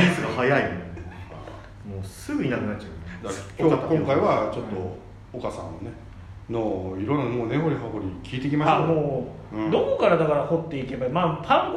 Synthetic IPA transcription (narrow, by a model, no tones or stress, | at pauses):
isɨɡahajaim | moːsɨɡɯ̟inakɯ̟nat͡ɕːt͡ɕaɯneakkʲokõŋkaiβat͡ɕo̞t̪ːo̞ | okasã̰nːone | noiɾõnːanmone̞ɦo̞ɾʲiɦaɦo̞ɾʲikʲiːt̪ek̬ʲimasamõː | d̪o̞ko̞kaɾad̪akaɾaho̞t̪ːe̞ike̞baimampʰãŋk